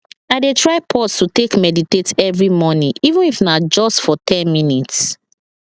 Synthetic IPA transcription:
aɪdetʰɹaɪpʰɔstutekmɛditetɛvɹimɔnĩʔivə̃nifnad͡ʒɔstfɔtʰɛ̃nminits

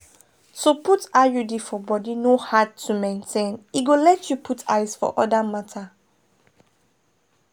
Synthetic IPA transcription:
toputajudifɔbɔdinohad̚tʰumẽntʰẽniɡolɛtjupʰutʰa̰ɪzfɔ̰ʔɔdamatʰa

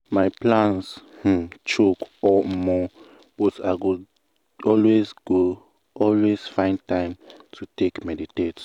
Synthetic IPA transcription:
maɪplãns̩ | t͡ʃokɔmɔ | b̥ɔtaɪɡo | ɔlwezɡo | ɔlwez̥fãɪ̃ntãɪ̃mtʰutekmɛditet

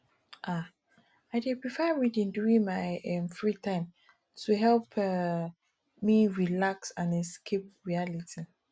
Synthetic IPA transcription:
ʔa | aɪdɛ̃pɹifaɪɹidĩnduĩŋmaɪɛmfɹitʰãɪ̃m | tʰuɦɛlpʰ | miɹilaksãnɛskʰep̚ɹialitʰi

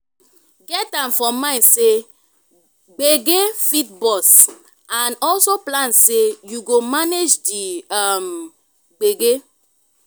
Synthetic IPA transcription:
ɡɛtãmfɔmmãɪ̃nse | ɡ͡beɡefitbɔs | ãnɔlsoplãnsejuɡomaned͡ʒdiam | ɡ͡beɡe

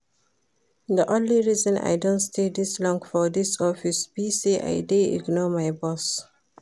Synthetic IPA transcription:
d̪əʔõnliɹizɔ̃na̰jdõntstʰed̪islɔ̃ŋkfɔd̪isɔfisb̥iseʔa̰jdeḭɡnɔmajbɔs

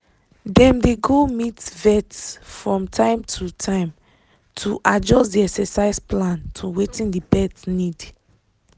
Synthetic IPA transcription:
dɛ̃mdeɡomitvɛtsfɹɔ̃mtʰãɪ̃mtʰutʰãɪ̃m | tʰuʔad͡ʒɔstdiɛksɛsaɪsplãntʰuwetĩndibɛtnid

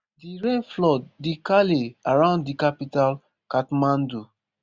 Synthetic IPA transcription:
diɹẽnflɔdːikaleaɹãʊ̃nddikapital | katmãndu

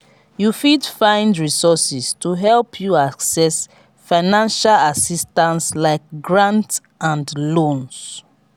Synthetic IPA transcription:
jufidfãɪ̃ndɹisɔsistuɦɛlpʰjuaksɛs | faɪnãnʃalasistãnslaɪk̚ɡɹãnt | ãndlõns

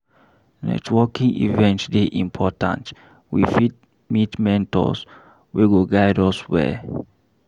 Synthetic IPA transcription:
nɛ̰twɔkĩŋḭvɛ̃ntsdeʔĩmpʰɔtã̰nt | wifit̚ | mitmɛ̃ntɔ̰s | weɡoɡaɪdɔswɛ̰

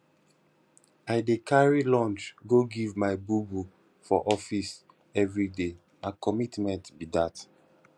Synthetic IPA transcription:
ajdekʰaɹilɔ̃nt͡ʃɡoɡivmaɪbubu | fɔʔɔfis | ɛvɹide | ãkɔmitmɛ̃ntbidat

